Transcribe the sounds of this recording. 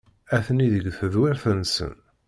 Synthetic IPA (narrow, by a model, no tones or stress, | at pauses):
æθniðəɡθəðwɪɾθənsə̰n